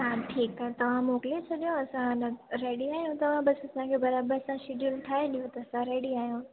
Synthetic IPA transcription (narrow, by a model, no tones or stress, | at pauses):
ɦaʈʰiːkaɦɛt̪ɐʋ̤ãmoːklet͡ʃʰɐɗijõɐsãnɐɾeːɽiaːɦijũt̪ɐʋ̤ãbɐsɐsãkʰebɐɾaːbəɾɐsãʃɪɖjulʈʰaːɦeɗijõt̪ɐːsãɾeːɽiaːɦjũ